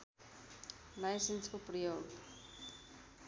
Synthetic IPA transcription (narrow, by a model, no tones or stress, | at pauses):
lajsenskoprəjoːɡ